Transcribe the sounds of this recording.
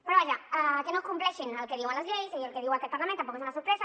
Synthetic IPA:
pɾoaʎaakenoskumpleʃenalkeðiwalazʎejsialkeðiwak̪elpaɾlamẽnt̪ːampokesunasoɾpɾesa

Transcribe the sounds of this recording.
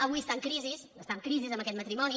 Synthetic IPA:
əβuiəst̪aŋkɾizisəst̪aŋkɾizizəmbəkɛt̪mət̪ɾimɔni

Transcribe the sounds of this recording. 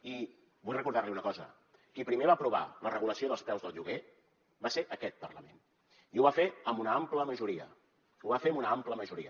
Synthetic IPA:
i | bujrəkuɾðarliunəkɔzə̰ | kipɾimeβapɾuβ̞a̰lərəɣuləsioðəlˠspɾɛwzðəlˠʎuɣe | baseʔəkɛt̪̚pərləmẽn | iuβafeəmunəampləməʒuɾiə̰ | uβafeəmunəampləməʒuɾiə

